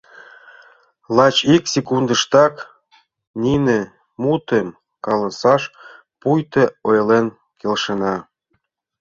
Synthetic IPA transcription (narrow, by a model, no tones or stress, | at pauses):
lɑt͡ɕiksekund̪ə̆ʃt̪ɑk | ninĕ | mut̪em | kɑlɑsɑʃ | pujt̪ĕojlen | kʰelʃə̆nɑ